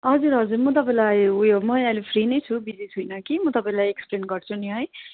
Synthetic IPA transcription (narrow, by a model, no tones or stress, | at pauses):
ɦʌd͡zuɾɦʌd͡zuɾmʌt̪ʌpãĩlajujomʌãlepʰrinʌjt͡sʰubid͡zisʰɦujnʌkimʌt̪ʌpaĩlajeksplenɡʌrt͡sʰunj̃ɦʌj